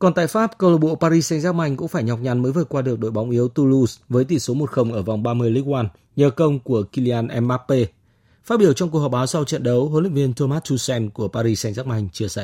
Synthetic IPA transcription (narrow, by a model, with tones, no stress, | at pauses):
kɔ˨˩nt̪a̰ː˧˨jfaː˦˥p̚kə˧lo˧˩ɓo̰˧˨paː˧ɾi˧sɛ˧jŋ̟zaː˦˥k̚ma˧jŋ̟kʊ̰˧˥ŋ͡mfaː˧˩jɲɔ˨˩wk͡p̚ɲa˨˩nməː˨˦jvɨ˨˩t̚kwaː˧ɗɨ˨˩ək̚ɗo̰˧˨jɓa˨˦wŋ͡mʔi˨˦əwt̪u˧lu˧svəː˨˦jt̪ḭ˧˩so˨˦mo˨˩t̚xə˧˩wŋ͡mʔəː˧˩va˨˩wŋ͡mɓaː˧mɨ˧əjli˧˦˥kwaː˧n | ɲəː˨˩kə˧wŋ͡mku˧˩əki˧li˧aː˧nʔɛ˧mːaː˦˥pːe˧ | fa˦˥ɓi˧˩əwt͡ɕɔ˧ŋ͡mku˨˩əhɔ˨˩ɓaː˨˦wsa˧wt͡ɕə̰˧˨nɗə˨˦wɦo̰˧˨˦lḭ˧˨ŋ̟vi˧ənt̪o˧maː˦˥t͡ɕu˧sɛ˧mku˧˩əpaː˧ɾi˧sɛ˧ŋ̟zaː˦˥k̚ma˧jŋ̟t͡ɕɨ˧˩əsa̰˧˨